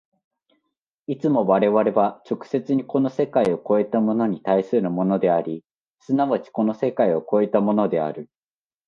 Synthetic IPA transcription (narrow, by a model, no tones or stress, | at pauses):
it͡sɨmo̞βaɾe̞βaɾe̞βat͡ɕo̞kɯ̟̥se̞t͡sɨɲ̟iko̞no̞se̞kaio̞ko̞e̞t̪amo̞no̞ɲ̟it̪aisɨɾɯ̟mo̞no̞d̪e̞aɾʲi | sɨnaβat͡ɕi̥ko̞no̞se̞kaio̞ko̞e̞t̪amo̞no̞d̪e̞a̰ɾɯ̟